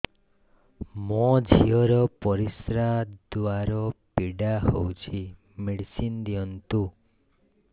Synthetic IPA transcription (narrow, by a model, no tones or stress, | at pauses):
mɔd͡ʒʱiɔɾɔpɔɾisɾad̪waɾɔpiɖaɦowt͡ʃʰi | miɽsind̪iɔnt̪u